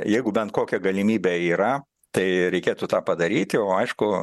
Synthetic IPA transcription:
jɛɪɡʊbʲɛnt̪koːkʲɛɡɐlʲɪmʲiːbʲeːiːɾɐ | t̪ɐɪɾʲɛɪkʲeːt̪ut̪ɑːpɐd̪ɐɾʲiːt̪ʲɪoːɐɪʃkʊ

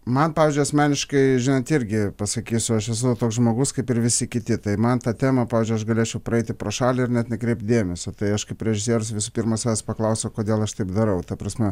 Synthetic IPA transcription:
mɐnpɑːʋʲɪːzʲd͡ʒʊɐsʲmʲæːnʲɪʃkɐɪʒʲɪnɐnt̪ɪɾʲɡʲɪpɐsɐkʲiːsʲʊɐʃɛsʊt̪oːkszʒmoːɡʊskɐɪpɪɾʋʲɪsʲɪkʲɪt̪ʲɪt̪ɐɪmɐnt̪ɑːt̪ʲæːmɐpɑːʋʲːzd͡ʒʊɪɐʃɡɐlʲeːt͡ʃʲɛʊpɾrɐɛɪt̪ʲɪpɾɐʃɑːlʲɪɪrnʲɛt̪nʲɛkɾʲɛɪp̚t̪̚d̪ʲeːmʲɛsʲot̪ɐɪɐʃkɐɪpɾʲɛʒʲɪsʲiɛɾʊs̬ʲʋʲɪsʊpʲirmɐsʲɑːɛspɐklˠɐʊsʲokoːd̪ʲeːlˠɐʃt̪ɐɪpd̪ɐɾɐʊt̪ɐpɾɐsʲmʲɛ

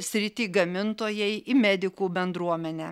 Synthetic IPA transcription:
sʲɾʲɪt̪ʲiːɡɐmʲɪnt̪oːjɛɪɪmʲæːd̪ʲɪkuːbʲɛnd̪ɾuɔmʲɛnʲɛː

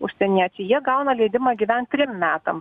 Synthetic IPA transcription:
ʊʃʲsʲɛnʲiɛt͡ʃʲɛjiɛɡɐʊnɐlʲɛɪd̪ʲɪmɑɡʲiʋʲɛnt̪ʲɾʲɪmmʲæːt̪ɐm

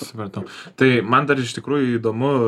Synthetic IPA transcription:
sɐpɐrt̪ɐʊt̪ɐɪmɐnd̪ɐɾɪʃt̪ʲɪkɾuːjʊid̪oːmʊ

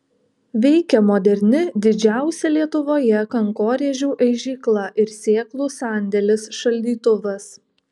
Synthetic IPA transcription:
ʋʲɛɪkʲɛmoːd̪ʲɛɾʲnʲɪd̪ʲɪd͡ʒʲæˑʊsʲɛlʲiɛt̪ʊʋoːjɛkɐŋkoːɾʲeɛʒʲuːʔɐɪʒʲiːklˠɐʔɪɾsʲeːklˠuːsɑːˑnʲd̪ʲɛlʲɪsʃɐlʲd̪ʲiːt̪ʊʋɐs

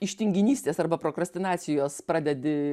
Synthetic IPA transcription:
ɪʃʲt̪ʲɪŋʲɡʲɪnʲiːsʲt̪ʲeːsɐrbɐpɾoːkɾɐsʲt̪ʲɪnɑːt̪sʲɪjoːspɾɑːd̪ʲɛd̪ʲɪ

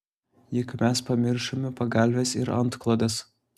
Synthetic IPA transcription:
jɪkmʲɛspɐmʲɪɾʃomʲɪpɐɡɐlʲʋʲɛsɪɾɐnt̪klˠod̪ʲɛs

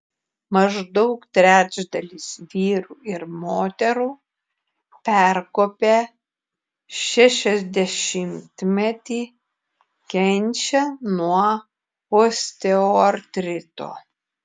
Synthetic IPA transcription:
mɐʒd̪ɔʊkt̪ʲɾʲæːd͡ʒd̪ɐlʲiːsʋʲiːɾuːɪɾmoːt̪ʲɛɾuː | pʲæɾkoːpʲeː | ʃʲɛʃʲɛzʲd̪ʲɛʃʲɪmʲt̪ʲmʲɛt̪ʲiː | kʲɛnʲt͡ʃʲɛnuɔ | oːsʲt̪ʲɛoɐɾt̪ʲɾʲɪt̪o̰ː

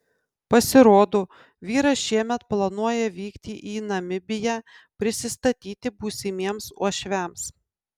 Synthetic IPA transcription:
pɐsʲɪɾoːd̪oː | ʋʲiːɾɐʃʲiɛmʲɛt̪plˠɐnuɔjɛʋʲiːkt̪ʲiːʔiːnɐmʲɪbʲɪjæː | pʲɾʲɪsʲɪst̪ɐt̪ʲiːt̪ʲɪbuːsʲɪmʲiɛmsuɔʃʲʋʲæms

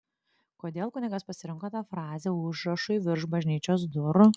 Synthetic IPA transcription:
koːd̪ʲeːlˠkʊnʲɪɡɐspɐsʲɪɾʲɪŋkoːt̪ɑːfɾɑːzʲeːʊʒɾɐʃʊɪʋʲɪɾʃbɐʒʲnʲiːt͡ʃʲoːsd̪ʊɾ

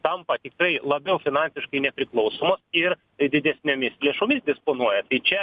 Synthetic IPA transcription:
t̪ɐmpɐt̪ʲɪkɾɐɪlˠɐbʲɛʊfʲɪnɑnʲsʲɪʃkɐɪnʲɛpʲɾʲɪklˠɐʊsoːmosɪr | d̪ʲɪd̪ʲɛsʲnʲoːmʲɪslʲeɛʃʊmʲɪsd̪ʲɪspoːnuɔjɛt̪ɐɪt͡ʃʲɛ

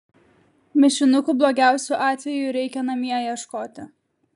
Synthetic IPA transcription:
mʲɪʃʲɪnʊkuːˑblˠoːɡʲæˑʊsʲuʔɑːt̪ʲʋʲɛjʊɾʲɛɪkʲɛnɐmʲiɛjiɛʃkoːt̪ʲɪ

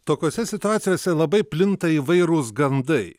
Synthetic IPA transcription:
t̪oːkʲoːsʲɛsʲɪt̪ʊɑːt̪sʲɪjoːsʲɛlˠɐbɐɪpʲlʲɪnt̪ɐiːʋɐɪɾuːsɡɐnd̪ɐɪ

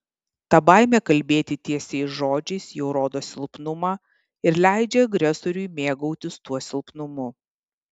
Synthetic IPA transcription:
t̪ɑbɐˑɪmʲɛkɐlʲbʲeːt̪ʲɪt̪ʲiɛsʲɛɪsʒoːd͡ʒʲɛɪsjɛʊɾoːd̪oːsʲɪlˠpnʊmɑː | ɪɾlʲæˑɪd͡ʒʲɛɐɡɾʲɛsoːɾʲʊjmʲeːɡɐʊt̪ʲʊst̪uɔsʲɪlˠpnʊmʊ

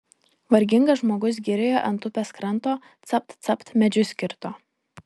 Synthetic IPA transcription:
ʋɐɾʲɡʲɪŋɡɐʒmoːɡʊs̬ɡʲiɾʲeːjoːʔɐnt̪ʊpʲeskɾɐnˑt̪oː | t̪sɐp̚t̪t̪sɐpt̪mʲɛd͡ʒʲʊsʲkʲɪɾt̪oː

